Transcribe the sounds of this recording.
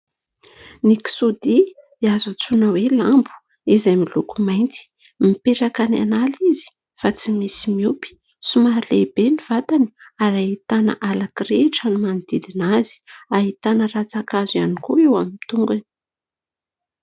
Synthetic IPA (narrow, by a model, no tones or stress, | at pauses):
niki̥sud̪i | iazat͡sunəwelambu̥ | izajmilukumajnt̪i̥ | mipeʈ͡ʂakana̰nalizi̥ | fat͡simisimiupi̥ | sumaɾilebeniv̥at̪ani̥aɾait̪ana̰ʔalakɾeʈ͡ʂanimanid̪̥id̪inaz̥i̥aɦit̪anəɾat͡sakazianikuewamimt̪uŋɡani̥